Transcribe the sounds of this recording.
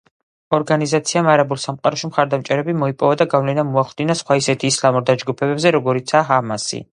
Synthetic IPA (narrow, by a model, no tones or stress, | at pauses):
ɔɾɡanizat̪sʰiamaɾabulˠsamqʼaɾɔʃimχaɾd̪amt͡ʃʼɛɾɛbimɔipʼɔvad̪aɡavlɛnamuaχld̪inasχwaisɛt̪ʰiːslamuɾd̪ad͡ʒɡupʰɛbɛbzɛɾɔɡɔɾit̪sʰaːɦamasḭ